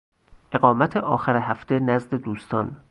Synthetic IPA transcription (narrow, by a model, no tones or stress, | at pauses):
ʔe̞ɣɢɒːmæt̪ʰeʔɒːxæɾeɦæft̪ʰenæzd̪e̞d̪uːst̪ɒːn